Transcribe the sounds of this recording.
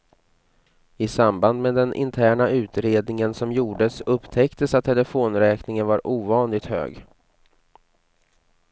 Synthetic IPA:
ɪsamband̪meːd̪ɛnʔɪ̰nt̪ʰæːɳaʉ̟ːt̪ɾeːd̪nɪŋənsɔmjuːɖəsɵpːt̪ʰɛkt̪əsat̪ʰːɛləfoːnɾɛːknɪŋənvaɾʔuːvɑːnlɪɡ̚t̪hø̰ːɡ

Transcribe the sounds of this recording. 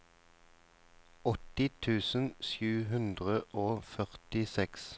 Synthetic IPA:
ɔt̪ɪt̪ʰʉːsən̩ʃjʉːɦʉnd̪ʁəʔoːfœʁt̪ɪsɛks

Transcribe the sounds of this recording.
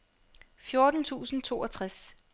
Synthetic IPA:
fjo̝ɐd̥n̩t͡sʰṵːsn̩t͡sʰo̝̰ːɐt͡sʰʁas

